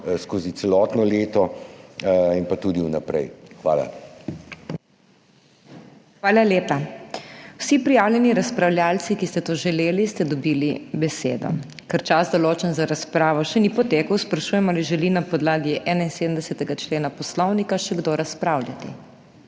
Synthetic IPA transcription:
skoːzitsɛlɔt̪nɔleːt̪ɔ | inpat̪ud̪iunapɾɛ̰jxʋa̰ːla̰ | xʋaːlaleːpa | wsipɾijaːwlʲjɛniɾaspɾawljalt̪sikist̪ɛt̪oʒɛleːlist̪ɛd̪ɔbiːlibɛsḛːd̪ɔ̰ | kɛɾt͡ʃazd̪ɔloːt͡ʃɛnzaɾaspɾaːʋɔʃɛnipɔt̪eːkəwspɾaʃujɛmaliʒɛlinapɔd̪laːɡiʔɛːnainseːd̪əmd̪ɛsɛt̪ɛɡat͡ʃleːnapɔslɔwnikaʃɛɡd̪oɾaspɾaːwljat̪ḭ

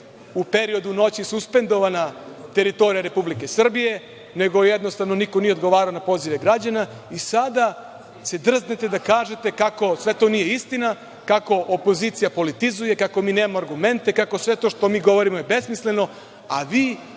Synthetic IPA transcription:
upe̞ɾio̞d̪uno̞t͡ɕisuspe̞nd̪o̞ʋanat̪e̞ɾit̪o̞ɾijaɾe̞publike̞sr̩bije̞ | ne̞ɡo̞jed̪no̞st̪aʋno̞nikonijed̪ɡo̞ʋaːɾaonapo̞ːziʋe̞ɡɾad͡ʑana | isad̪a | se̞d̪r̩znet̪e̞d̪akaːʒe̞t̪e̞kako̞sʋe̞t̪o̞nije̞ist̪ina | kako̞ʔopo̞zit̪sijapo̞lit̪izuje̞kako̞miːneːmamaaɾɡume̞nt̪e̞kako̞sʋe̞t̪o̞ːʃt̪o̞miːɡo̞ʋo̞ɾimo̞jebe̞smisle̞no̞ | aʋiː

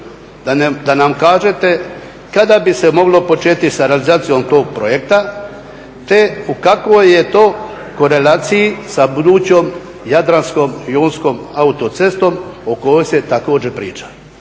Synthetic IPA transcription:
and̪anamkaːʒet̪e̞ | kad̪abisemo̞ɡlo̞po̞t͡ʃeːt̪isaɾealizaːt̪sijo̞mt̪o̞ːɡ̚pɾojek̚t̪a | t̪e̞ukakʋoje̞t̪oː | ko̞ɾelaːt̪sijisabud̪uːt͡ɕom | jad̪ɾansko̞mjoːnsko̞maut̪o̞t̪se̞st̪o̞moko̞jojse̞t̪ako̞ːd͡ʑepɾḭːt͡ʃḁ

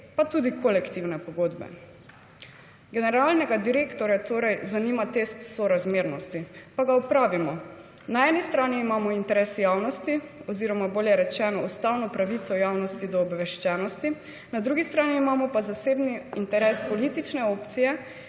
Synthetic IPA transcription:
pat̪uːd̪ikʰɔlɛkt̪iwnɛpɔɡoːd̪bɛ̰ | ɡɛnɛɾalnɛɡad̪iɾeːkt̪ɔɾjat̪oːɾɛjzanimat̪est̪sɔɾazmeːɾnɔst̪ipaɡaɔpɾaːʋimɔ | naɛːnist̪ɾaːniːmaːmɔint̪ɛɾɛsjaːwnɔst̪iɔziɾɔmaboːljɛɾɛt͡ʃɛːnɔust̪awnɔpɾaʋit̪sɔjaːwnɔst̪id̪ɔːbʋɛʃt͡ʃɛːnɔst̪i | nad̪ɾuɡist̪ɾaːniːmaːmɔpazaseːbniint̪ɛɾɛːspɔlit̪it͡ʃnɛoːpt̪sijɛ

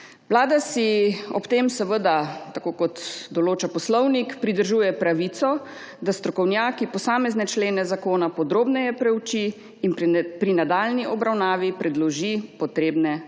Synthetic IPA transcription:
wlaːd̪asiɔ̰pt̪eːmsɛʋəd̪at̪akoːkɔt̪d̪ɔloːt͡ʃapɔslɔwnikpɾid̪əɾʒuːjɛpɾaʋit̪sɔ | d̪ast̪ɾɔkɔwnjaːkipɔsaːmɛznɛt͡ʃleːnɛzakoːnapɔd̪ɾoːbnɛjɛpɾɛwt͡ʃiː | npɾinad̪aːlniʔɔbɾawnaːʋipɾɛd̪lɔʒipɔt̪ɾeːbnɛ

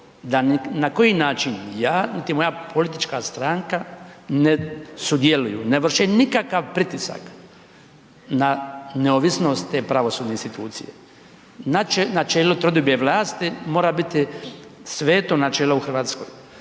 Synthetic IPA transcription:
d̪annako̞jinaːt͡ʃinjaːnit̪imo̞japʰo̞lit̪it͡ʃkast̪ɾaŋkanesud̪jelujṵneʋr̩ʃenikakaʋpɾit̪isa̰k | naneoːʋisno̞st̪t̪ːeːpɾaʋo̞suːd̪neinst̪it̪uːt̪sḭjḛ | nat͡ʃnat͡ʃeːlot̪ɾod̪objeʋlˠaːst̪imo̞ːɾabit̪isʋeːt̪onat͡ʃeːlouxr̩ʋaːt̪sko̰j

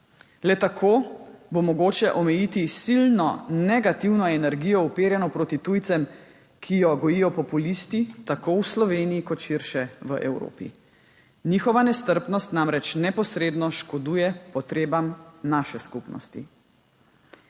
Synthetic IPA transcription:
lɛt̪akʰoːbomɔɡoːt͡ʃɛʔɔmɛjit̪isilnɔnɛɡat̪iwnɔɛnɛɾɡijɔupeːɾjɛnɔpɾoːt̪it̪ujt̪sɛm | kʰijɔɡɔjijɔpɔpulist̪it̪akowslɔʋeːniikɔt̪ʃiɾʃɛʋəʔɛwɾo̰ːpḭ | niːxɔʋanɛst̪əɾpnɔst̪namɾɛt͡ʃnɛpɔsɾeːd̪nɔʃkɔd̪uːjɛpɔt̪ɾeːbamnaʃɛskupnɔ̰st̪ḭ

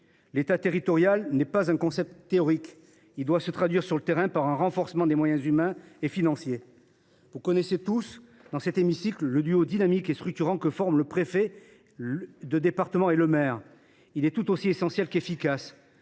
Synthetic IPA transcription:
let̪at̪eʁit̪ɔʁjalnɛpazɛ̃kɔ̃sɛp̚t̪t̪ːeɔʁik | ild̪wasət̪χad̪ɥiʁsyʁlət̪eʁɛ̃paʁɛ̃ʁɑ̃fɔʁsəmɑ̃d̪emwajɛ̃zymɛ̃efinɑ̃sje | vukɔneset̪us | d̪ɑ̃sɛt̪emisiklːəd̪yod̪inamikest̪χyk̚t̪yʁɑ̃kəfɔʁmləpχefɛ | d̪əd̪epaʁt̪əmɑ̃eləmɛʁ | ilɛt̪ut̪osiesɑ̃sjɛlkefikas

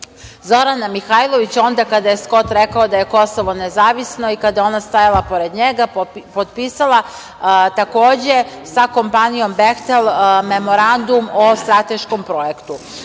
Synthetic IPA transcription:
zo̞ɾanamixajlˠo̞ʋit͡ɕo̞nd̪akad̪aje̞sko̞t̪ɾekaod̪ajeko̞so̞ʋo̞nezaːʋisno̞ikad̪ajeo̞nast̪ajalˠapo̞ɾe̞d̪ɲeɡapod̪pisalˠa | t̪ako̞ːd͡ʑe̞ | sako̞mpanijo̞mbext̪elˠme̞mo̞ɾand̪umost̪ɾat̪e̞ʃko̞mpɾo̞jekt̪u

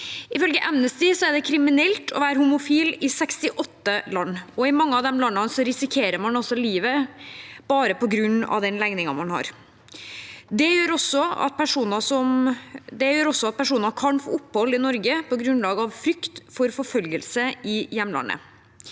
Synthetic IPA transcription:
ɪfœlɡəʔɛmnəst̪ɪsɔæɖɛkʰɾɪmɪnɛlt̪ʰɔ̰ʋæːɾəhʊmʊfiːlɪsɛkst̪ɪʔɔt̪ːəlɑnːɔɪmɑŋːəɑʋd̪ɛmlɑnːɑnsɔɾɪsɪkʰeːɾəɾmɑnɑsɔliːʋə | b̥ɑːɾəpɔɡɾʉnːɑ̰ʋd̪ɛnlæɡnɪŋɑmɑnhɑ̰ɾ | d̪ɛjøːɾɔsːɔɑ̰t̪̚pʰæʂuːnəsɔmd̪ɛjøːɾɔsːɔɑt̪̚pʰæʂuːnɑkʰɑnfo̰ːʊpːhɔlːɪnɔɾɡəpʰɔɡɾʉnlɑːɡəɑʋfɾʏkt̪fɔɾfɔɾfœlɡəlsəʔɪjɛmnlɑ̰nə̰

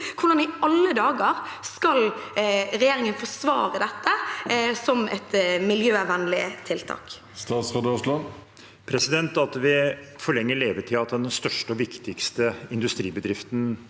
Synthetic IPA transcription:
kʰʊnɑnɪɑlːəd̪ɑːɡəɾskɑl | ɾɛjeːɾɪŋənfɔsʋɑːɾəd̪ɛt̪ːəsɔmɛ̰t̪mɪljøːæʋɛnlɪt̪ʰɪlt̪ʰɑ̰ːk | st̪ɑːt̪sʁɑd̪ɔslɑ | pʰɾɛsɪd̪ɛnt̪ɑt̪ʋɪ | fɔɭɛŋːəleːʋəʈʰɪlɑt̪̚d̪ɛnst̪œʂʈəɔʋɪkt̪ɪkst̪əɪnd̪ʉst̪ɾiːbəd̪ɾɪft̪n

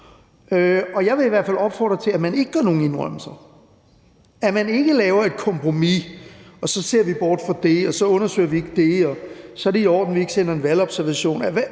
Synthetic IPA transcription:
øɒ̽jɑ̈ɪʋe̝iʋæɐ̰fæl̰ɒ̽b̥fɒ̰ːd̥ʁɐt͡sʰe̝læmæne̝ɡ̥əɡ̥ɑɐno̝ːŋ̩e̝nʁɶml̩sɐ | æmæne̝ɡ̥əlɛːʊɐe̝d̥kʰɒ̽mpʰʁo̝miɒ̽sɒ̽se̝ɐ̰ʋib̥ɒːd̥fɑd̥e̝ɒ̽sɒ̽ɔ̽nɐsø̰ɪɐʋie̝ɡ̥əd̥e̝ɒ̽sɒ̽æɐɾ̥eiɒ̰ːd̥n̩ʋie̝ɡ̥əsenɐe̝nʋælɒ̽b̥sæɐʋæɕo̝̰ːnæʋæ

